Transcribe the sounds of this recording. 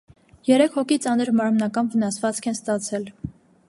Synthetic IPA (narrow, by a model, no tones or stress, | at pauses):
jɛɾɛkʰhɔkit͡sɑnəɾmɑɾmnɑkɑnvən̪ɑsvɑt͡skʰɛnst̪ɑt͡sʰɛl